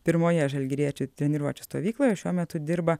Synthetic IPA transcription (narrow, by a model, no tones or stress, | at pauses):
pʲɪɾmoːjɛʒɐlʲɡʲɪɾʲiɛt͡ʃʲʊt̪ʲɾʲɛnʲɪɾuɔt͡ʃʲɛst̪oːʋʲiːklˠoːjɛʃʲuɔmʲɛt̪ʊd̪ʲɪɾbɐ